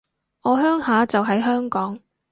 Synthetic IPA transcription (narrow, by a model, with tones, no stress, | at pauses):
ŋɔː˨˧ɦœː˥ŋhaː˨˥t͡sɐ˨wɦɐ˨jɦœː˥ŋkɔː˨˥ŋ